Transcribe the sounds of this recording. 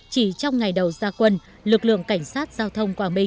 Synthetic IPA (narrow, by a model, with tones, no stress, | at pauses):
t͡ɕi˧˩t͡ɕɔ˧wŋ͡mŋa˨˩jɗə˨˩wzaː˧kwə˧n | lɨ˨˩k̚lɨ̰˧˨əŋka˧˩jŋ̟saː˦˥t̚z̥aː˧wt̪ʰə˧wŋ͡mkwaː˨˩ɓï˧ŋ